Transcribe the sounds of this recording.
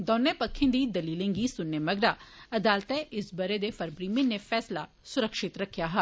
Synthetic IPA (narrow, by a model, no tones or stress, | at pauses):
d̪ɔːnːeːpəkʰːẽnd̪iːd̪əliːlẽːŋɡiːsʊnːeməɡɾaːɐd̪aːlt̪ɛːʔɪsbəɾeːd̪efəɾbɾiːmɪ̃nefʰɛːsla | sʊɾəkʃɪt̪ɾəkʰːjaːɦɛ